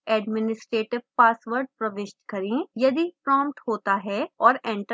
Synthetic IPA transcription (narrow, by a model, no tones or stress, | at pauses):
ɛːɖmɪnɪsʈɾeːʈɪʋpaːsʋəɾɖ̚pɾɐʋɪʃt̪kɐɾẽːjɐd̪ipɾɔːmpʈhoːt̪aɦɛːɔːɾɛ̃ːɳʈ